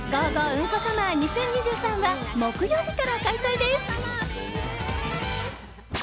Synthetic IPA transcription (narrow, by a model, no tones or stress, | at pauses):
ɡaɡoɯ̃ŋkasamaɲisẽ̞ɲ̟ɲiʑɨːsãŋ̃βamokɯ̟joːbʲikaɾakaisaid̪esɨ̥